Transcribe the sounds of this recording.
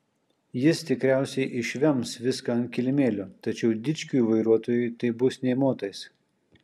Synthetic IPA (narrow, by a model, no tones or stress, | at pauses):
jɪst̪ʲɪkɾʲæˑʊsʲɛɪʔɪʃʲʋʲɛmsʋʲɪskɐɐnkʲɪlʲɪmʲeːlʲʊt̪ɐt͡ʃʲɛʊd̪ʲɪt͡ʃʲkʲuːiʋɐɪɾuɔt̪oːjuˑt̪ɐɪbʊsnʲɛɪmoːt̪ɐɪs